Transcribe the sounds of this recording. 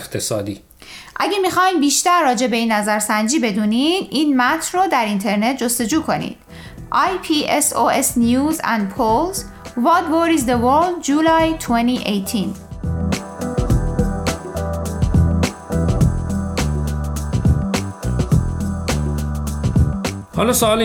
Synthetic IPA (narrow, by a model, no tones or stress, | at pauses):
xt̪ʰesɒːd̪iː | ʔæɡemixɒːimbiːʃt̪æɾːɒːd͡ʒe̞be̞iːnːæzæɾsænd͡ʒiːbe̞d̪uːnid̪ʔiːnmæt̪ʰnroːd̪æɾint̪ʰe̞ɾne̞t̪̚ʰd͡ʒo̞st̪e̞d͡ʒuːkʰo̞nḭːd̪̥ | ʔɑjpʰiʔesoesnijuːzæ̰nd̪̚pʰolz | vɒt̪voɾizd̪evoɾld̪d͡ʒuːlɑjt̪ʰweniʔejt̪ʰin | hɒlɒsoɒːl